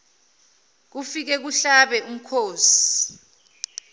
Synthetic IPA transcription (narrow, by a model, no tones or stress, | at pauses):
k̬ufik̬ɛk̬uɬaɓɛʔum̩kʰoːsi̥